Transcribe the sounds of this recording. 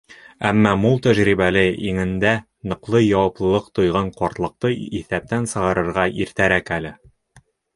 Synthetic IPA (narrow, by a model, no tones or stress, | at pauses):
æmːæmulˠt̪æʑɾiβælɘiŋɘ̆nd̪æ | nɤ̆qlˠɤjɑwɑplˠɤ̆lˠɤqt̪ŏjʁɑɴqɒɾt̪lˠɤ̆q̚t̪ɤiθæp̚t̪ænsɤ̆ʁɑɾɤ̆ɾʁɑʔiɾt̪æɾækælɘ